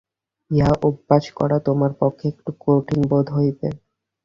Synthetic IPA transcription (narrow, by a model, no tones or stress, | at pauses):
iɦaʔobːat͡ɕkɔ̰ɾat̪omaɾpokʰːeek̚ʈukoʈiŋbod̪ʱɦojbḛ